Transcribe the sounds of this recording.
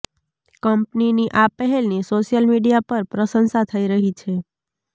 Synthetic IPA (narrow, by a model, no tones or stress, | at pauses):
kəmpniniʔapəɦɛlnesoʃijəlmiɖijapəɾpɾəsənsat̪ʰəiɾəɦit͡ʃʰe